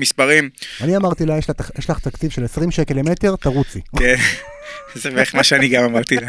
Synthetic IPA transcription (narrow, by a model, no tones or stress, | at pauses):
mispaʁimaniamaʁt̪ilajeʃlaajeʃlaχt̪akt͡sivʃelesʁimʃekelemet̪e̞ʁt̪aʁut͡sliken | zeveeχmaʃeaniɡamamaʁt̪ila